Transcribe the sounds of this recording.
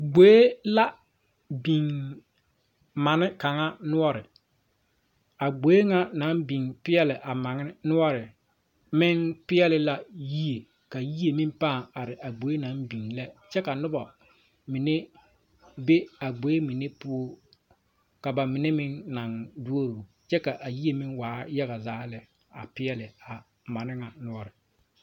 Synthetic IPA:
ɡ͡bo˦e˦la˦ | bi˨ŋ | ma˨nɪ˦ka˨ŋa˦nʊ˦ɔ˦ɾɪ˨ | a˨ɡ͡bo˨˦e˦ŋa˦na˨˦bi˨ŋpɪ˦ɛ˦lɪ˨ʔa˨ma˨ŋɪ˦nʊ˦ɔ˦ɾɪ˨ | mɪ˦ŋpɪ˦ɛ˦lɪ˦la˦ji˦e˨ | ka˨ji˦e˨mĩ˦mpa˦˨a˨ɾɪ˨ʔa˨ɡ͡bo˨˦e˦na˨˦mbi˨ŋlɛ˦t͡ʃɛ˦ka˨nʊ˦ba˨ | mɪ˨ne˦ | be˦a˨ɡ͡bo˨˦je˦mɪ˨ne˦pʊ˦ɔ˦ | ka˨ba˨mɪ˨ne˦mɪ˦nːa˨ŋdu˦o˦ɾo˨ | t͡ʃɛ˦ka˨ʔa˨ji˦e˨mɪ˦ŋwaː˨˦ja˦ɣa˨zaː˨˦lɛ˨ | a̰˨pɪ˦ɛ˦lɪ˨a˨ | ma˨nɪ˦ŋa˨nʊ˦ɔ˦ɾɪ˨

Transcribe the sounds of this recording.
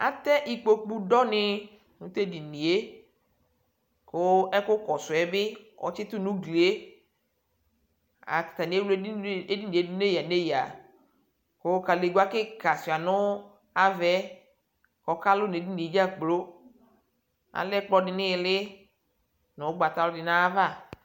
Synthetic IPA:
a̰˨t̪ɛ˦ʔi˨k͡po˨k͡pu˨dɔ˦nɪ˦ | nũ˨˦t̪e˦di˨nĩ˨e˦ | ko˦ɛ˦kʊ˦kɔ˨sʊ˨ɛ˦bɪ˦wɔ̰˨˦t͡ʃɪ˦t̪ʊ˦nũ˦ɡli˨e˦ | a̰˨t̪ḁ˨t̪a˨nĩ˨˦e˦wle˦di˦nĩ˨e˨˦du˦ne˦ja˨ne˦ja˨ | ko˦ka˨le˨ɡa˦kɪ˦ka˨si˨a˨nʊ˦ | a˦vɛ˦ | kɔ˨˦ka˦lʊ˦n˨e˨di˦nĩ˨e˨˦d͡ʒa˦k͡plo˦ | a̰˨lɛ˦k͡plɔ˧dɪ˨nɪ̃˦˨lɪ˦ | nʊ̃˨˦ɡ͡ba˨t̪a˨lʊ˦dɪ˨nã˦va˦˨

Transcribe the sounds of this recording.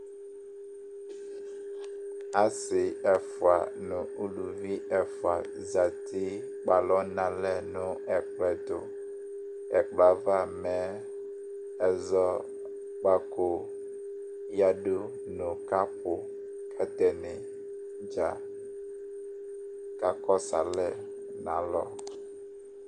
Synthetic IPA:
a˨sɪ˨ɛ˨fʊ˨a̰˨nʊ̃˨u˦lu˨vi˦ɛ˨fʊ˨a̰˨ | za˨tʰi˦ | k͡pa˨lɔ˦nã˨lɛ˦˨nʊ̃˨ɛ˨k͡plɛ˨tʊ̰˨ | ɛ˨k͡pla˨va˦˨mɛ̃˨˦ | ɛ˨zɔ˦ | k͡pa˨ko˨ | ja˨du˦ | nʊ̃˨ka˦pʊ˨ | kʰɛ˦t̪ɛ˨nɪ˨ | d͡ʒa˨ | ka˨kɔ˦sa̰˨lɛ˦˨ | nã̰˨˦lɔ̰˦

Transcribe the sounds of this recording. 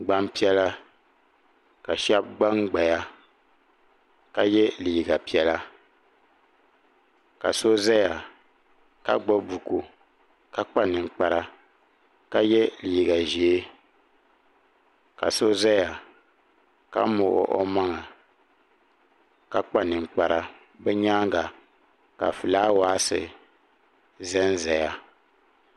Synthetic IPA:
ɡ͡ba˦mpi˦ɛ˦la˦ | ka˨ʃɛ˦b̚ɡ͡ba˦ŋɡ͡ba˨ja˦ | ka˦jɛ˦liː˨ɡa˨pi˦ɛ˦la˦ | ka̰˨so˦za˦ja˨ | ka̰˦ɡ͡bo˦bu˨ko˨ | ka˦k͡pa˦nɨ˨ŋ˨k͡pa˨ɾa˦ | ka˦jɛ˦liː˨ɡa˨ʒi˨e˦ | ka̰˨so˦zɛ˦ja˨ | ka̰˦mʊ˨ʔʊ̰˦ʔɔ̰˦ma˦ŋa˨ | ka˦k͡pa˦nɨ˨ŋ͡mk͡pa˨ɾa˦ | bɛ˦ɲaː˦ŋ˦ɡa˨ | ka̰˨fɨ˨laː˦waː˦sɨ̰˨ | zɛ˦n˦zɛ˨ja˦

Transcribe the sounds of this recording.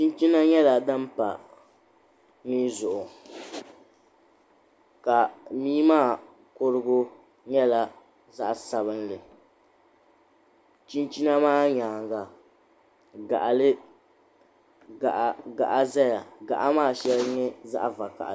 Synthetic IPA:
t͡ʃi˦n˦t͡ʃi˦na˦ɲɛ˦la˨dɨ˦m˦pa̰˨ | miː˦zʊ˨ʔʊ˨ | ka˨miː˦maː˦˨ | ko˦ɾɨ˦ɡʊ˦ | ɲɛ˦la˨ | za˦ʔsa˨βɨ˦nlɨ˨ | t͡ʃi˦nt͡ʃi˦na˦maː˦ɲaː˨ŋɡa˨ | ɡa̰˨ʔa˨lɨ˦ | a˨ʔɡa̰˨ʔa˦za˦ja˨ɡa̰˨ʔa˦maː˦˨ʃɛ˦lɲɛ˦za̰˦ʔa˨va˨ka̰˨ʔ

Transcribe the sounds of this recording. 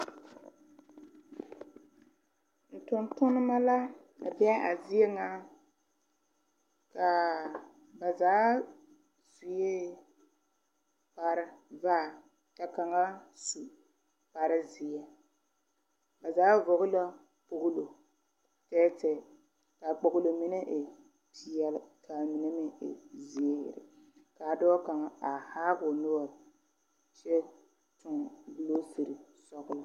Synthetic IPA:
n̩˨tʊ˨ntʊ˦nɨ˦ma˦la˦ | ka˨bɛ˦a˨zi˦ɛ˦ŋa˦ | ka˨ | ba˨zaː˨˦ | zu˨je˦ | pa˨ɾɨ˦va˦˨ | ta˨ka˨ŋa˦su˨ | pa˨ɾɨ˦zi˨a˨ | ba˨zaː˨˦vɔ˨ɣʊ˦la˦ | k͡po˨ɡʊ˦lo˨ | tɛː˦tɛ˦˨ | ka˨k͡po˨ɡʊ˦lo˨mi˦nɛ˦ʔe˨ | pʰi˨ɛ˨˦lɪ˦kʰa˨mi˨nɛ˦mɪ˦ɪ̰˨zi˨ɛ̰˦˨ɾɪ̰˨ | ka˨dɔː˦ka˨ŋa˦a˨haː˦ɡʊ˨no˦ɔ˨ɾ | ʃɛ˦ | tʊ˨ŋ˨bu˨lo˦si˨ɾi˨ | sɔ˦ɣʊ˦lʊ˦

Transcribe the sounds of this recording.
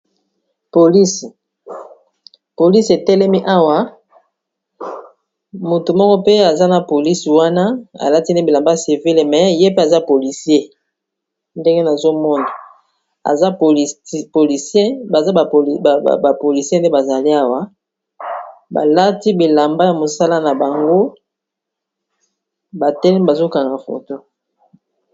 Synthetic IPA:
po˨li˦si˨ | po˨li˦se˨tɛ˦lɛ˦mi˦ʔa˦wa˦ | mu˨tu˨mɔ˦kɔ˦pe˦a˨za˦na˨po˨li˦swa˦na˦a̰˨la˦ti˦n˦de˦bi˨la˨mba˦˨si˨vi˦lmɛ˨˦je˦pe˦a˨za˦po˨li˨sje˦ | nde˦ŋɡe˦na˨zo˦mɔ˦nda˨ | a̰˨za˦˨po˨li˨sje˦ba˨za̰˦˨ba˨po˨li˨se˦n˦de˦ba˨za˨li˦a˦wa˦ | ba̰˨la˦ti˦bi˨la˨mba˦ja˨mo˨sa˦la˦na˨ba˨ŋɡo˦ | ba˨tɛ˦lɛ˦ba˨zo˦ka˨na˨fo̰˨to˦

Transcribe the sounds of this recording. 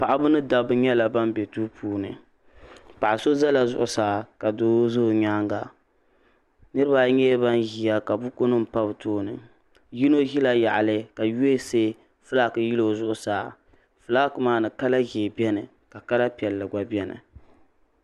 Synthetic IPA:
pa˨ʔa˨bʊ˦nɨ˦da˨bɨ˦ɲɛ˦la˨ba˦m˦bɛ˨tu˦pʰuː˦nɨ̰˨ | pa˨ʔa˨so˦za˦la˨zʊ˦ʔʊ˨saː˨˦ka˨doː˦zo˦˨ɲaː˦ŋɡa˨ | nɨ˦ɾɨ˦ba˦ɲɛ˦ba˦nɣi˨ja˦ka˨bʊ˦ko˦nɨ˦m̩˨pa˦bɨ˨tʰoː˦nɨ̰˨ | ji˦no˦ɦi˦la˦ja̰˨ʔa˨lɨ˦ka˨je˦se˦ | fɨ˦la˦˨kɨ˨ji˦lo˨zʊ˦ʔʊ˦saː˨˦˨ | fɨ˨la˦kɨ˨maː˦nɨ˨ka˦la˦ɣeː˨bɛ˦nɨ˨ | ka˨ka˦la˦pi˨ɛ˨lːɨ˨ɡʷa˨bɛ˦nɨ̰˨

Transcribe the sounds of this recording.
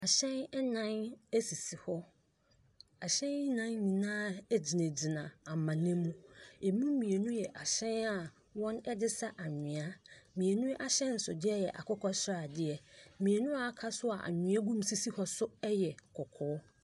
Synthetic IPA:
a˨ɕɛ̃˦nɛ˦nã˦næ˦si˨si˨hɔ˦ | a˨ɕɛ̃˦nɪ˦nã˦nɲĩ˨nãː˦ɛ˦d͡ʑi˨nɛ̃˨d͡ʑi˨nã˨a˨mã˨nɛ̃˦mũ˦ɛ˨mũ˦mĩ˨e˨nũ˦jɛ˨ʔa˨ɕɛ̃˦na˨ | wɔ̃˦nɛ˦dɪ˦sa˦ʔa˨ɲᶣɪ̃˨a˦mĩ˨e˨nũ˦ʔa˨ɕɛ̃˦n̩˨sʊ˨dɪ˦ɛ˦jɛ˨ʔa̰˨kʰɔ˦kʰɔ˦sa˨dɪ˦ɛ˨mĩ˨e˨nũ˦a˨˦kʰa˦sʊ˦a̰˨ʔa̰˨ɲᶣɪ̃˨˦a˦ɡũ˦m˦si˦si˦hɔ˦sʊ˦ɛ˦jɛ˨kʰɔ˨kʰɔː˨˦

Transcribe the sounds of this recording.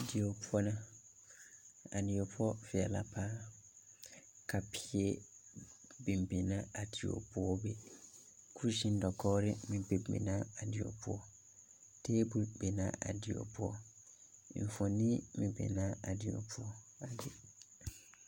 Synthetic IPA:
di˨o˨pʰu˦ɔ˦nã˦ | a˨di˨o˨pʰɔ˦fi˨ɛ˨la̰˨pʰa˦ | kʰa˨pʰi˦e˦ | bĩ˨m˨bẽ˨nã˦a˨di˨o̰˨pu˦ɔ˦bɛ˦ | kʰu˦ɾʃĩ˦n˦dɔ˨kʰɔ˦ɾɪ˦mĩ˨be˨mɛ̰̃˨nã˦a˨di˨o̰˨pɔ˦ | tʰe˦bu˦ɾbɛ˨nã̰˨˦ʔa̰˨di˨o̰˨pu˦ɔ˦˨ | ɱ̩˨fɔ̃˨nĩ˦mĩ˨bɛ̰˨nã˨˦a˨di˨o̰˨pʰu˦ɔ˦a˨dɪ˨

